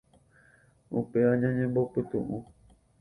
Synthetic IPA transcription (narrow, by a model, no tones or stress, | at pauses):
upe̞ãɲãɲẽmbopɨt̪ṵ̃ʔũ